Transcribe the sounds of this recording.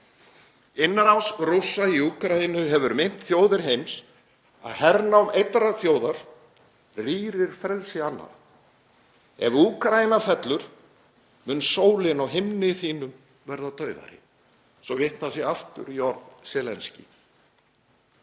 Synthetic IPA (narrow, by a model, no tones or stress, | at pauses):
ɪnːaɾawsrʊsːaiuːkɾainʏɦɛvʏɾmɪn̥t̪θjoːwðɪɾ̥ɦejms | a̰ðhɛɾnaɔmʔejt̪ɾaθjoːwðaɾ̥ | riːɾɪɾ̥fɾɛlsɪanːa̰ɾ | ɛ̰vuːkɾajinafɛt̪lʏɾ̥ | mʏnsoːwlɪnawɦɪmnɪθiːnʏm | vɛɾðat̪ʰœːɥva̰ɾɪ̰ | sɔvɪht̪θasɪaft̪ʏ̰ɾjɔɾðsɛːlɛnscɪ̰